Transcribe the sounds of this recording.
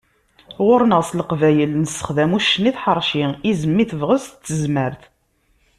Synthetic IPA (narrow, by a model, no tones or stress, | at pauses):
ʁʊɾnəʁsˤləqvæjəlnəsːə̥χðæmuʃːəniθħəɾˤʃiizəmːiθəvʁəzt͡sːəzməɾθ